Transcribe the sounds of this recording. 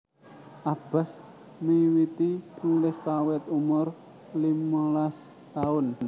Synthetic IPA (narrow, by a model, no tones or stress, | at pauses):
ʔab̥a̤s | miwit̪iiŋlɪspawɛt̪umʊr | limalas | t̪aʊn